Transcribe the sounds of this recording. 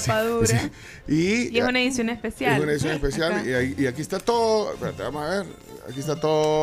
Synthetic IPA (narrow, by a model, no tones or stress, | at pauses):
aðusɾi | iesunaeðisjonespesjaesuneisjonespesjaliaiakiest̪at̪oðopeɾat̪eβamosaβeɾ | a̰kiest̪at̪oðoo